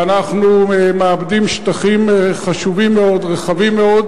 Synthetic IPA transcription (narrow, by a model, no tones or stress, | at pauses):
anaχnumeabd̪imʃt̪aχimeχaʃuvimːeo̞d̪ʁeχavimːeo̞d̪